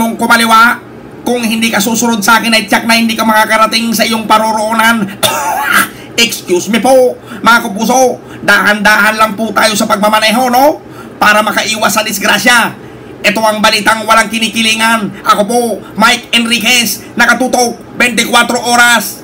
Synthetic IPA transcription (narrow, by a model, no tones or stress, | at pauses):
oŋkomalɪwa | kʊŋhɪnd̪ikasusʊɾod̪̚saʔaːkɪnajt͡ʃak̚nɐhɪnd̪ikamɐŋakaɾat̪ɪŋsɐʔijoŋpaɾoɾoʔonan | ɛkskjusmɪpomɐŋakʊpuːs̬o | d̪ahand̪aɦanlaŋput̪aːjosɐpaɡ̚mamanɛɦono | paːɾamɐkaʔiːwasːɐd̪ɪsɡɾasja | ʔɛt̪oʔaŋbɐliːt̪aŋwalaŋkɪniːkɪliːŋanʔakopomajkɛnɾikɛs | nɐkat̪uːt̪ok̚bɛnt̪ɪkwat̪ɾoʔoːɾas